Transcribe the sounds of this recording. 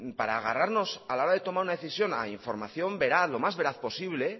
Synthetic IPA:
paɾaːɣaraɾno̞salao̞ɾaðe̞t̪o̞maɾunaðe̞θisjo̞na̰iɱfo̞ɾmaθjo̞mbe̞ɾaθlo̞mazβe̞ɾaθpo̞siβ̞le̞

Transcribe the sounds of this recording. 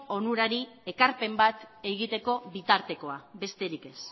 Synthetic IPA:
o̞nuɾaɾie̞kaɾpe̞mbat̪e̞ɣit̪e̞ko̞βit̪aɾt̪e̞ko̞abe̞st̪e̞ɾike̞s

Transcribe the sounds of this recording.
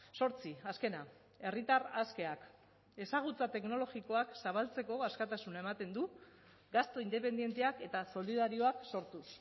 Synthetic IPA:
so̞ɾt͡siaske̞na | e̞rit̪araske̞ak | e̞saɣ̞ut͡sat̪e̞kno̞lo̞ɣiko̞aksaβalt͡se̞ko̞askat̪asunae̞mat̪e̞nd̪u | ɡast̪o̞ind̪e̞pe̞nd̪je̞nt̪e̞ake̞t̪aso̞lið̞aɾio̞akso̞ɾt̪us

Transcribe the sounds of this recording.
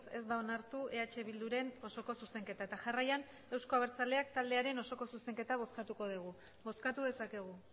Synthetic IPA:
se̞zd̪ao̞naɾt̪uʔe̞at͡ʃe̞βild̪uɾe̞no̞so̞ko̞suse̞ŋke̞t̪ae̞t̪aʝarajan | e̞wsko̞aβeɾt͡saleak̚t̪ald̪e̞aɾe̞no̞so̞ko̞suse̞ŋke̞t̪aβo̞skat̪uko̞ð̞iɣ̞u | βo̞skat̪uðe̞sake̞ɣ̞u

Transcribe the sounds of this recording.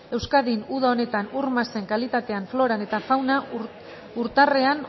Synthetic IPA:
e̞wskaðinuðao̞ne̞t̪anuɾmase̞ŋkalit̪at̪e̞aɱflo̞ɾane̞t̪afawna | uɾt̪are̞an

